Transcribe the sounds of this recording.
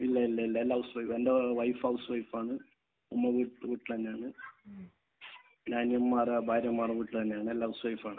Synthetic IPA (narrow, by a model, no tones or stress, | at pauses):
ilːɐilːɐilːɐlːɐwsʋɐjfendeʋɐjfɐwsʋɐjfaːɳɨ | umːɐʋiʈʋiːʈːit̪ɐnːeaːɳɨ | naːnijɐmːaːrɐbʱaːɾjɐmːaːrɐʋiːʈːilt̪ɐnːeaːɳɨelːɐwsʋɐjfaːɳɨ